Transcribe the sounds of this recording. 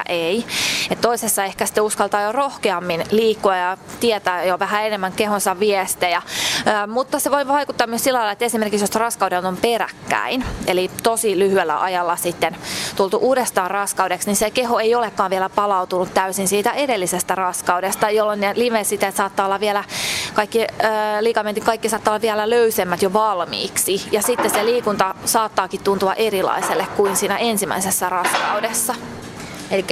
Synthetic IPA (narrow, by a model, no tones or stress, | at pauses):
ʔeiet̪t̪oisesːɑehkæsi̥t̪euskɑlt̪ɑːjorohkeɑmːinliːkːuɑjɑt̪iɛt̪æːjoʋæhæenemːæŋkehonsɑʋʋiɛst̪ejɑːmut̪ːɑseʋoiʋɑikut̪ːɑːmyøsilːælɑilɑet̪ːesimerkiksjosɑrɑskɑudent̪omperæ̰kːæ̰inelit̪osilyhyelːæ̰ʔɑjɑlːɑsit̪ːent̪ult̪uʔuːdest̪ɑːrrɑskɑuwdeksnisekeɦoejolekːɑːʋʋiɛlæpɑlɑut̪unut̪t̪æysinsiːt̪æʔedelːisest̪ærɑskɑuwdest̪ɑjolːonːelimesit̪æet̪sɑːt̪ːɑːolːɑʋielækɑikːiːliːkɑment̪ikɑikːisɑːt̪ːɑolɑʋiɛlæløysemːæt̪joʋɑlmḭːksijɑsit̪ːeseliːkunt̪ɑsɑːt̪ːɑːkit̪tunt̪uɑ̰ʔerilɑ̰iselːekkuinsiːnæensimæ̰isesːærɑskɑwdesːɑ | elikːæ